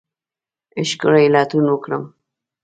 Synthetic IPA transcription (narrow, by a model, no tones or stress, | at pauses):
ɪʃkəɾajɪlɑt̪unwəkɽəm